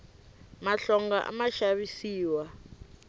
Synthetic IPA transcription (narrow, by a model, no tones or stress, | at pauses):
maɬɔŋɡaʔa̰maʃaβisiːwa